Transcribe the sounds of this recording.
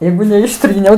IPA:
ˈjɛɪɡʊ nʲɛɪʃʲˈtʲrʲiːnʲɛʊ

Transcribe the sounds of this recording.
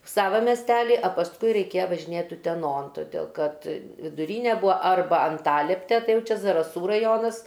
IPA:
ˈsɑːʋɐ mʲɛsʲˈtʲæːlʲɪ ɐ pɐsˈkʊɪ rʲɛɪˈkʲeːjɛ ʋɐʒʲɪˈnʲeːt ʊtʲɛˈnoːn toːˈdʲeːlˠ kɐt ʋʲɪdʊˈrʲiːnʲɛ ˈbuːɐ ˈɐrbɐ ɐnˈtɑːlʲɛpʲtʲɛ ˈtɐɪ ˈjɛʊ ˈt͡ʃʲɛ zɐrɐˈsuː rɐˈjoːnɐs

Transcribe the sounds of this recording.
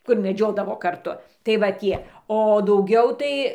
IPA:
ˈkʊr mʲɛˈd͡ʒʲoːdɐʋoː kɐrˈtʊ tɐɪ ʋɐ ˈtʲiɛ oː dɐʊˈɡʲɛʊ tɐɪ

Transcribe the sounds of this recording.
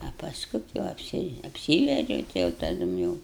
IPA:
ɐ pɐˈskʊ tʲɪ ʋɐ ɐpʲˈsʲɪ ɐpʲˈsʲiːʋʲɛd͡ʒʲɛʊ ˈtɐɪ jɛʊ tɐˈdʊm jɛʊ

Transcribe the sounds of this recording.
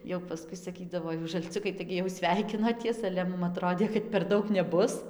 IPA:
jɛʊ pɐˈskʊɪ sɐˈkʲiːdɐʋoː ˈjuːs ʒɐlʲˈt͡sʲʊkɐɪ ˈtɐɪɡʲɪ jɛʊ ˈsʲʋʲɛɪkʲɪnoːtʲiɛs ɐlʲɛ ˈmʊm ɐˈtroːdʲeː kɐt pʲɛr ˈdɐʊk nʲɛˈbʊs

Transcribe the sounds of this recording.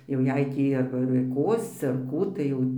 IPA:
jɛʊ ˈjɛɪ ˈtʲiː ɐrbɐ ɪr ˈkoːsʲt͡sʲɪ ɐr ˈkuː tɐɪ ˈjɛʊ

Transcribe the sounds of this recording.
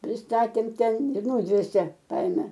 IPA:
pʲrʲɪsˈtɑːtʲeːm ˈtʲɛn ɪr ˈnuːdʲʋʲeːsʲeː ˈkɐɪmʲɛ

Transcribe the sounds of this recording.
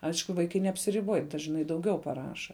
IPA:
ˈɐɪʃkʊ ˈʋɐɪkɐɪ nʲɛɐpʲsʲɪrʲɪˈboːj dɐʒˈnɐɪ dɐʊˈɡʲɛʊ pɐˈrɑːʃɐ

